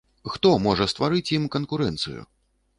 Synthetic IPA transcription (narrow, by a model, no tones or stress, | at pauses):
xt̪ɔmɔʐɐst̪vaɾɨt͡sʲjimkɐnkuɾɛnt̪sɨ̰jṵ